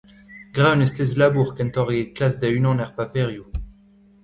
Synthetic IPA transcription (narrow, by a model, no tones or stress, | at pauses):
ɡʁanɛst̪ɛz̬labuʁkɛ̃nt̪ɔʁeklasd̪ɛynɑ̃nɛʁpapeʁju